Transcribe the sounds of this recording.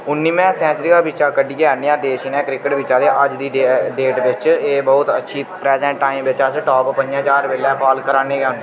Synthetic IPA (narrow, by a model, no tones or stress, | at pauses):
ʊnːiːmɛ̃ːsɛ̃ːt͡ʃɾiːkaːbɪt͡ʃaːkəɖiːɡaːniːãːd̪eːʃiːnɛ̃ːkɾɪkəʈbɪt͡ʃãːd̪eːʔəd͡ʒd̪iːeɖeːʈʋɪt͡ʃeːbɔːʊt̪ətːʃʰiːpɾɛːzɛ̃ːɳʈːaːĩːmʋɪt͡ʃasʈɔːppəɲd͡ʒãːt͡ʃaːɾʋeːlɛːpʰaːlkəɾaːneːɡɛ̃ːneː